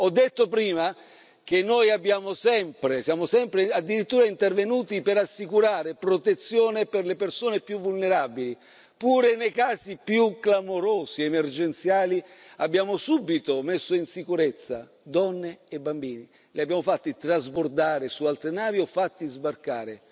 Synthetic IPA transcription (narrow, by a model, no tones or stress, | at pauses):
ɔd̪ːet̪ːopɾiːma | k̟enːojabːjaːmosɛmpɾesjaːmosɛmpɾead̪ːiɾit̪ːuːɾaint̪ervenuːt̪ipeɾasːikuɾaːɾepɾot̪et̪sːjoːneperlepersoːnepjuvːulneɾabili | puːɾenejkaːsipjuklamoɾoːsiemerd͡ʒent̪sjaːliabːjaːmosubit̪omesːoinsikuɾet̪sːa̰ | d̪ɔnːeːbːambiːni | liabjaːmofat̪ːit̪ɾazbord̪aːɾesualt̪ɾenaːviɔfːat̪ːizbarka̰ːɾe